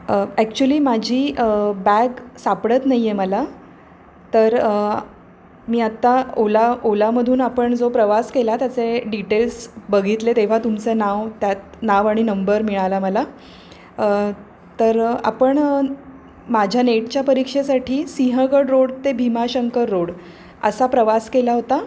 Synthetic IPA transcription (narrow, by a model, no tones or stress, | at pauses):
əæk̚t͡ɕuəliːmad͡ʑʱiːbæɡsapɽət̪naɦijeməla | t̪əɾ | miːat̪ːaolaolaməd̪ʱuːnapəɳd͡zopɾəʋaskelat̪jat͡seɖiʈelsbəɡʱit̪let̪eʋ̤at̪umt͡senaʋt̪jat̪̚naʋaɽ̃inəmbəɾmiɭalaməla | t̪əɾa̰pəɳ | mad͡ʑʱjaneʈt͡ɕjapəɾikʂesaʈʰiːsiɦəɡəɽɾoɽt̪ebʱimaɕəŋkəɾːoɽ | ə̰sapɾəʋaskelaɦot̪a